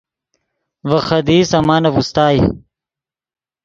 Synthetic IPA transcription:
vɐxɐd̪iːsɐmaːnɐvust̪aːj

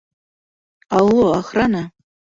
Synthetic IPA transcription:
alːoaχrana

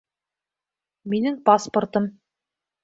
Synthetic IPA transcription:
minɘŋpasport̪ɤm

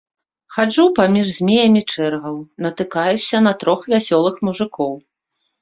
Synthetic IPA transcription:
xad͡ʐupamʲiʐzʲmʲejɐmʲit͡ʂɛrɣɐwnɐt̪ɨkajusʲɐnɐt̪ɾɔxvʲasʲɔlˠɨxmuʐɨkʰɔw

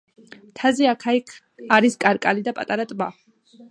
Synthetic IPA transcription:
t̪ʰaziakʰaikʰ | aɾiskʼaɾkʼalid̪apʼat̪ʼaɾat̪ʼba

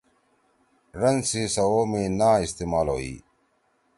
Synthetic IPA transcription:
ɾɐnsisɐwoːmẽːnaːist̪eːmaːlɦo̰ːḭː

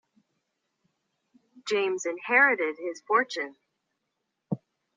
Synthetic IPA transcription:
d̥ʒ̥ẽɪ̃mzɨ̃nhɛɹɨɾɪd̚ɪz̥fɔɹt͡ʃɨ̃n

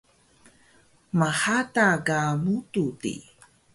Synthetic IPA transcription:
maħataɡanututḭ

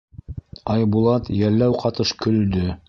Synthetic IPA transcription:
ɑjbulˠɑt̪jælːæwqɑt̪ɤʃkɵ̆ld̪ɵ

